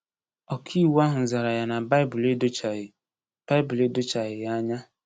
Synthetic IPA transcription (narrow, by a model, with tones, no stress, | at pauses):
ɔ˨kʰi˦˨wa˦ɦʊ˨n̩˨za˨ɾa˨ja˨na˨ba˦ɪ˦bʊ˨le˦do˦t͡ʃa˨ɪ˨ | b̥a˦ɪ˦bʊ˨le˦do˦t͡ʃa˨ɣɪ˨ja˦ɲa˦